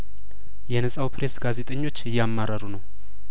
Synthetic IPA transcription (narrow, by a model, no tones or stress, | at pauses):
jɛnəsʼawpʰɾe̞sɡaze̞t̪ʼəɲːo̞t͡ʃːɨjːamːaɾəɾunəw